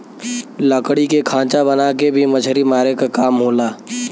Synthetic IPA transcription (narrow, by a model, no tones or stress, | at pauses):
ləkɽikekʰãːt͡ʃabɐnaːkebʱimɐt͡ʃʰɾimaːɾekakaːmɦoːlaː